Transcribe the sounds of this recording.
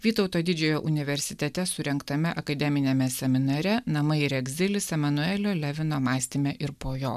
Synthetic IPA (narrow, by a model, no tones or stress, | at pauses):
ʋʲiːt̪ɒʊt̪oːd̪ʲɪd͡ʒʲɛjoːʔʊnʲɪʋʲɛɾʲsʲɪt̪ʲɛt̪ʲɛsʊɾʲɛŋkt̪ɐmʲɛʔɐkɐd̪ʲɛmʲɪnʲemʲɛsʲɛmʲɪnɐɾʲɛnɐmɐɪɪɾɛɡʲzʲɪlʲɪsɛmɐnʊɛːlʲoːlʲɛʋʲɪnoːmɑːsʲt̪ʲɪmʲeʔɪɾpoːjoː